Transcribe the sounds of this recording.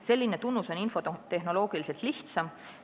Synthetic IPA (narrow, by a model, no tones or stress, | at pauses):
se̞lʲːinet̪unːuso̞ninfo̞t̪e̞ɦno̞lo̞ːɡ̥ilise̞lt̪liht̪sɑm